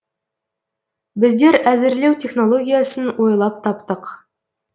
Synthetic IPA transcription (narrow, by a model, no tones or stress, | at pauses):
bɪzd̪e̞ɾæzɪɾlewt̪ʰʲe̞χno̞lˠo̞ɡʲijasənwʔo̞jlˠɑp̚t̪ʰɑpt̪əq